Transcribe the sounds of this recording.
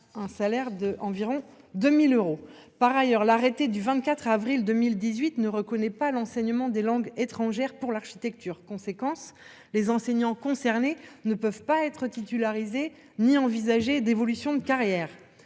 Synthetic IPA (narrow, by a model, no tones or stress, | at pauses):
ɛ̃salɛʁd̪əʔɑ̃viʁɔ̃ | d̪ømiløʁo | paʁajœʁlaʁet̪ed̪yvɛ̃t̪kat̪χavʁild̪əmild̪izɥit̪nəʁəkɔnɛpalɑ̃sɛɲəmɑ̃d̪elɑ̃ɡet̪χɑ̃ʒɛʁpuʁlaʁʃi̥t̪ɛk̚t̪yːʁkɔ̃sekɑ̃s | lezɑ̃sɛɲɑ̃kɔ̃sɛʁnenəpœvpaɛt̪χət̪it̪ylaʁize | niɑ̃vizaʒed̪evɔlysjɔ̃d̪əkaʁjɛːʁ